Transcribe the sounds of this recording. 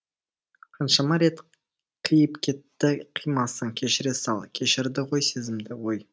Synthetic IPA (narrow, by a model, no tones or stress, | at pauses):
qʰɑnʃɑmɑɾe̞t̪ | qʰəjəpkʲʰe̞t̪ːɪqʰijmɑsəŋkʲʰe̞ʃɪɾesɑlˠkʲʰe̞ʃɪɾd̪ɪʁo̞jse̞zɪmd̪ɪwo̞j